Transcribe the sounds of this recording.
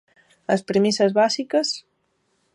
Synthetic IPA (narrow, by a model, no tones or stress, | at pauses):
əspɾimisəzβasikəs